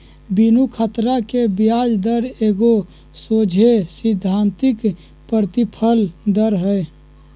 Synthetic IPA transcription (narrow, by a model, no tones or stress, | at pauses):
binukʰət̪ɾakebjad͡ʒd̪əɾeɡo | sod͡ʒʱesid̪ʱːant̪ik | pəɾt̪ipʰəld̪əɾɦəj